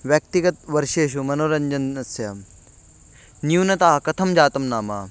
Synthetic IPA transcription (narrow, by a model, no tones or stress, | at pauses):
ʋjɐk̚t̪iɡɐt̪ʋɐɾʃeːʃ̬umɐnoːɾɐɲd͡ʒɐnɐsjɐ | njuːnɐt̪aːɦɐkɐt̪ʰɐmd͡ʒaːt̪ɐmnaːma̰ː